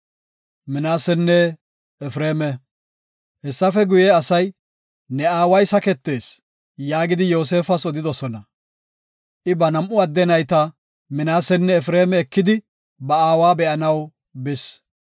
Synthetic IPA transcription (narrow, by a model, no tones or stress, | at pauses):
mɪnaːsɛnːɛ | ɛfɾeːmɛ | hɛsːɐfɛɡʊjeɐsɐj | nɛaːwɐjsɐkɛt̪ːe̞ːs | jaːɡɪd̪ɪjo̞ːs̬e̞ːfɐsɔd̪ɪd̪ɔsɔnɐ | ʔɪbɐnɐmʔʊɐd̪ːɛnɐjt̪ɐ | mɪnaːsɛnːɛːfɾeːmɛːkːɪd̪ɪ | bɐaːwaːbɛʔɐnɐw | bɪs